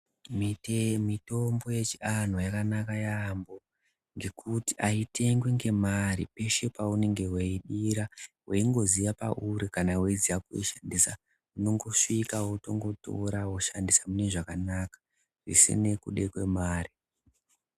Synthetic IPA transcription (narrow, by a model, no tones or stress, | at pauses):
mimito̞mbo̞je̞t͡ʃian̤ojakanakajambo̞ | ŋɡe̞kʰutiʔaite̞ŋɡweŋɡe̞maɾḭpe̞ʃe̞paune̞ŋɡe̞weiɗiɾaweiŋɡo̞zijapa̰ʔuɾikanaweizijakuḛʃandisa | uno̞ŋɡo̞ʂikawoto̞ŋɡo̞to̞̰ɾawoʃandisamune̞ʐakanaːkḁ | ʐḭsḭne̞kṵɗe̞kwe̞maːri